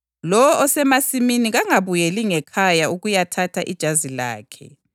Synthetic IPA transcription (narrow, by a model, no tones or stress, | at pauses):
lɔwɔʔɔsɛmasiminiɣaŋaβujɛliŋɛkʰajauɣujatʰatʰaʔid̥ʒ̥ʱazila̰ːkʰɛ̰